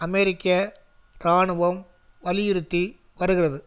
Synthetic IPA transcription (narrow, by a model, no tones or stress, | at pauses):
ɐmɛɾɪkːɐ | ɾaːɳɯʋɐm | ʋɐlɪjɪɾɯt̪ːi | ʋɐɾɯɣɪrɐðɯ